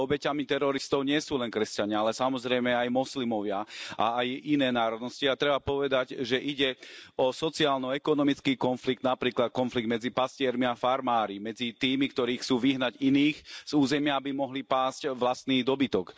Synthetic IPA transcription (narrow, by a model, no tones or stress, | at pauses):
ɔbɛcamit̪ɛɾɔɾist̪ɔʊɲɪɛsuːlɛnkɾɛscaɲɪaalɛsamɔzɾɛjmɛajmɔslimɔʋɪaʔa̰ːjʔinɛːnaːɾɔd̪nɔsciat̪ɾɛbapɔʋɛd̪aɟʒɛʔiɟɛɔsɔt͡siaːlnɔɛkɔnɔmit͡skiːkɔnfliɡ̚d̪napɾiːklat̪̚kɔnfliɡd̪mɛd͡zipascɪɛɾmiafaɾmaːɾimɛd͡zit̪iːmikt̪ɔɾiːxt͡suːʋiɦnaɟiniːxz̥uːzɛmɪaabimɔɦlipaːscʋlast̪niːd̪ɔbit̪ɔk